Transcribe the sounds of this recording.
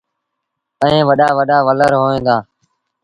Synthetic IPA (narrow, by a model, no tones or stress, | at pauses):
əẽːʋəɗaːʋəɗaːʋələɾɦoːẽːnd̪aː